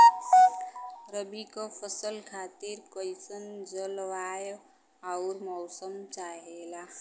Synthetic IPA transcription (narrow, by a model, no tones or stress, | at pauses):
ɾəbikɔpʰəsəlkʰaːt̪iɾkəjsənd͡ʒəlʋaːjo | aʊɾmɔwsəmt͡ʃaɦela